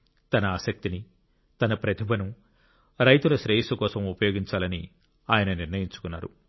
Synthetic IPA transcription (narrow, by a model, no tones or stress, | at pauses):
t̪ɐnɐaːsɐk̚t̪ini | t̪ɐnɐpɾɐt̪ʰibʱɐnu | ɾɐjt̪ulɐʃɾeːjisɐkɔːsɐmupɐjo̞ːɡiɲt͡ʃaːlɐni | aːjɐnɐniɾnɐjiɲt͡ʃu̥kunːaːɾṵ